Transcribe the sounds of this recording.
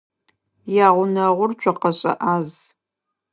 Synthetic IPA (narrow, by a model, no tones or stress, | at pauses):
jaːʁʷʊnɐʁʷʊrt͡ʃʷʰʼɔqɐɕʼɐ̰ʔaːz